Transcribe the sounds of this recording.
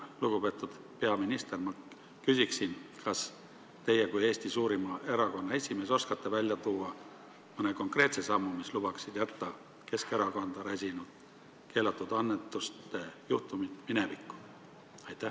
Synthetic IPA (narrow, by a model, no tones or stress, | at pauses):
luɡ̥upe̞ːt̪ːˑud̪̥ | pe̞ɑminist̪e̞rmɑ | kysʲiksinkɑs | t̪e̞jekuje̞ːst̪isuːɾimɑe̞ɾɑko̞nːɑe̞sʲime̞ːso̞skɑt̪ːevælʲjɑt̪uːɑ | mɤne̞ko̞ŋkre̞ːt̪se̞sɑmːumislub̥ɑksid̪̥jæt̪ːɑ | ke̞ske̞ɾɑkond̪̥ɑɾæsʲinud̪̥ | ke̞ːlɑt̪ːˑud̪̥ɑnːet̪ːˑust̪e̞juht̪umit̪mine̞vikːˑu̥ | ɑjt̪ːˑæ